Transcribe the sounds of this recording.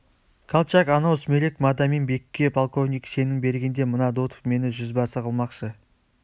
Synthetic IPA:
kʰalˠt͡ʃakɑnosmelekmad̪ɑmenbe̞kʲːe̞pʰalˠko̞vnʲijkse̞nɪŋbe̞ɾɡʲe̞nd̪e̞mənɑd̪ot̪o̥fme̞nɪʒʏzbɑsəqʰəlˠmɑqʃə

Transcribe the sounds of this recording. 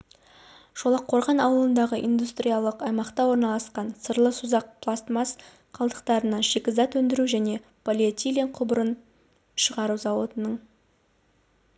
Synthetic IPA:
ʒ̥o̞lˠɑqʰːo̞ɾʁɑnɑwəlˠənd̪ɑʁəʔḭnd̪ust̪ɾʲijalˠəqɑjmɑqt̪ɑwo̞ɾnɑlˠɑsqɑnsəɾlˠəsuzɑq̚pʰlˠast̪mas | qʰɑlˠd̪əqt̪ɑɾənɑʃekʲɪzɑt̪wɵnd̪ɪɾuʒæne̞ | pʰolʲiat̪ʲilʲeɴqʰʊbəɾən | ʃəʁɑɾuzɑwo̞t̪ənəɴ

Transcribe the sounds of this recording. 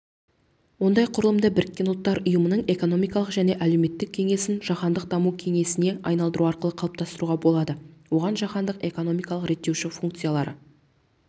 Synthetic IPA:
wo̞nd̪ɑjqʰʊɾəlˠəmd̪əbɪɾɪkʲːe̞nʊlˠt̪ːɑɾʔʊjəmənəɴe̞ko̞no̞mijkɑlˠəqʒæne̞ʔælewme̞t̪ːɪk̚ʲʰe̞ŋe̞sɪnʒɑχɑnd̪əq̚d̪ɑmukʲʰe̞ŋe̞sɪne̞ʔɑjnɑlˠd̪əɾuɑɾqəlˠəqʰɑlˠp̚t̪ɑst̪əɾuʁɑbo̞lˠɑd̪əwo̞ʁɑnʒɑqɑnd̪əqe̞ko̞no̞mijkɑlˠəqɾe̞t̪ːe̞wʃɪfuŋk̚t̪sijalˠɑɾə

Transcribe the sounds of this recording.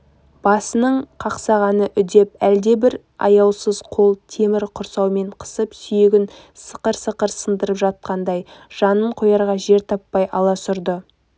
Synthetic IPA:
b̥ɑsənəɴqʰɑqsɑʁɑnəʔʏd̪e̞p̚æld̪e̞bɪɾ | ɑ̰jɑwsəz̥qʰo̞lˠt̪ʰe̞mɪɾqʰʊɾsɑwme̞ɴqʰə̥səpsʏjeɡʲɪn | sə̥qəɾsəqəɾsənd̪əɾəpʒɑt̪̚qɑnd̪ɑjʒ̥ɑnəɴqʰojɑɾʁɑʒe̞ɾt̪ʰɑpːɑjɑlˠɑsʊɾd̪ə

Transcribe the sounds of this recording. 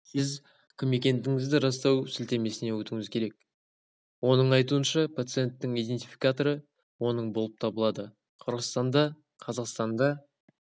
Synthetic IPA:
sɪz | kʲʰɪmekʲe̞nt̪ɪŋɪzd̪ɪɾɑst̪ɑwsɪlt̪e̞me̞sɪne̞wɵt̪ɪŋɪzkʲʰe̞ɾe̞k̚ | wo̞nəɴɑjt̪uənʃɑpʰat̪sɨje̞nt̪ːɪŋijd̪e̞nt̪ijfʲijkat̪o̞ɾə | wo̞nəɴbo̞lˠəp̚t̪ʰɑbəlˠɑd̪ə | qʰəɾʁəst̪ɑnd̪ɑ | qʰɑzɑqst̪ɑnd̪ɑ

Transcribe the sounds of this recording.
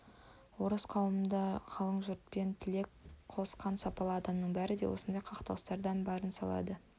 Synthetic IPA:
woɾəsqʰɑwəmənd̪ɑqʰɑlˠəɴʒʊɾt̪̚pe̞nt̪ʰɪle̞kqʰo̞sqɑnsɑpɑlˠəɑd̪ɑmnəɴbæɾɪd̪e̞̰wʔo̞̰sənd̪ɑjqʰɑqt̪ɑlˠəst̪ɑɾd̪ɑnbɑɾənsɑlˠɑ̰d̪ə

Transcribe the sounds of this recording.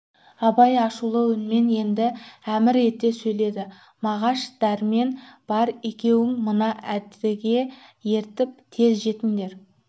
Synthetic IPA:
ɑbɑjɑʃulˠəwɪnme̞nje̞nd̪ɪæmɪɾe̞t̪ːe̞sɵjle̞d̪ɪ | mɑʁɑʃd̪̥æɾme̞nb̥ɑɾekʲe̞wɪŋmənɑʔæd̪ɪɡʲe̞je̞ɾt̪ɪp̚t̪ʰe̞zʒe̞t̪ɪŋd̪e̞ɾ

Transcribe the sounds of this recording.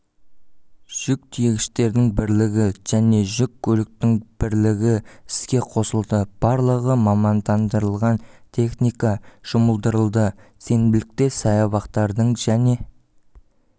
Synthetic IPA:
ʒ̥ʏk̚t̪ʰijeɡʲɪ̥ʃt̪e̞ɾd̪ɪŋbɪɾlɪɡʲɪʒ̥æne̞ʒʏkʲʰːɵlɪk̚t̪ɪŋb̥ɪɾlɪɡʲɪɪ̥skʲe̞qʰo̞səlˠd̪əb̥ɑɾlˠəʁəmɑmɑnd̪ɑnd̪əɾəlˠʁɑnt̪ʲʰe̞χnijkɑʒ̥ʊməlˠd̪əɾəlˠd̪əse̞nbɪlɪk̚t̪e̞sɑjɑβɑqt̪ɑɾd̪əɴʒæne̞

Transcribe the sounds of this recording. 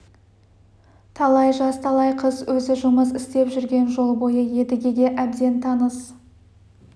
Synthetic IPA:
t̪ʰɑlˠɑjʒɑst̪ʰɑlˠɑjqʰəzwɵzɪʒʊməzɪst̪e̞pʒʏɾɡʲe̞nʒo̞lˠbo̞jəje̞d̪ɪɡʲeɡʲe̞ʔæbd̪e̞nt̪ʰɑnəs

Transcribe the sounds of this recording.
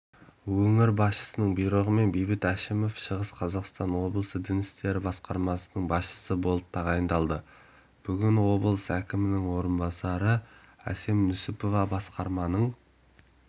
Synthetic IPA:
wɵŋɪɾbɑsʃə̥sənəɴbujɾoʁəme̞nbejbɪt̪æʃɪmo̞fʃəʁəsqʰɑzɑqst̪ɑnwo̞blˠəsəd̪ɪnɪst̪e̞ɾɪbɑsqɑɾmɑsənəɴbɑsʃə̥səbo̞lˠəp̚t̪ʰɑʁɑjənd̪ɑlˠd̪ə | b̥ʏɡʲɪnwo̞bəlˠəsækʲɪmɪnɪŋwo̞ɾənbɑsɑɾə | æ̰se̞mnʏsɪpo̞vɑbɑsqɑɾmɑnəɴ

